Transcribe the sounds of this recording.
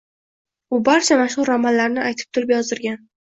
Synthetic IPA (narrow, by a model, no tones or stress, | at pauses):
ʊbaɾt͡ʃʰamaʃχʊɾːɒmanlaɾnɪajt̪ʰɪ̥p̚t̪ʰʊɾɪpjɒzɪɾɡʲan